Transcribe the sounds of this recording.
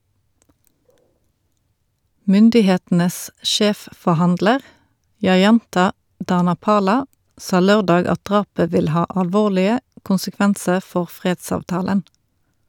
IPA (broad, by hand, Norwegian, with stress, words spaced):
ˈmʏndɪˌheːtn̩əs ˈʃeːffɔʁˌhɑndləʁ jɑˈjɑntɑ dɑnɑˈpɑːlɑ ˈsɑː ˈløːʁˌdɑːɡ ˈɑt ˈdʁɑːpə ˈʋɪl ˈhɑː ɑlˈʋoːʁlɪə kʊnsəˈkʋænsəʁ ˈfɔʁ ˈfʁeːdsɑːʋˌtɑːlən